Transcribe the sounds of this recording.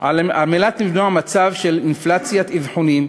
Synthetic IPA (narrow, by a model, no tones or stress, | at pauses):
aamelat̪nivduamat͡savʃelinflat͡sjat̪ivħonim